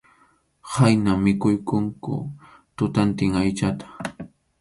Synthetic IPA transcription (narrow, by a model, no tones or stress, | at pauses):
hajnamːɪkʊjkʊŋkʊ̰ | t̪ʊt̪ant̪ɪŋajt͡ʃat̪ḁ